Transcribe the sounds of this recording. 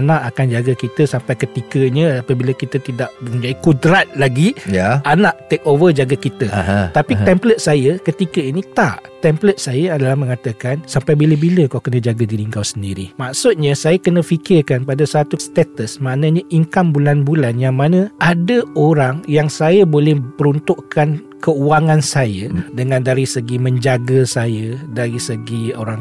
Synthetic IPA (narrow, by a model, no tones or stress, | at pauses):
nãʔakand͡ʒaɡakit̪əsampajkət̪ikəɲəapabiləkit̪ət̪idaʔbəəd͡ʒadikudɾat̪̚laɡijaʔanaʔt̪ɛk̚ovəd͡ʒaɡakit̪ət̪apiɛmplət̪̚sajəkət̪ikəinit̪aʔt̪ɛmplət̪̚sajəadalahmə̃ŋat̪əkansampajbiləbiləkawkənãd͡ʒaɡadiɾiŋɡawsəndiɾḭmaʔsʊt̪̚ɲasajakənãfikɪrkanpadasat̪ust̪ɛt̪əsmaʔnãɲaʔiŋkambulanbulanjaŋmanə̃ʔadəoɾaŋjaŋsajabolɛhpəɾunt̪ʊʔkan | kəuaŋãnsajədəŋãndaɾisəɡimə̃ɲd͡ʒaɡasajədaɾisəɡioɾaŋ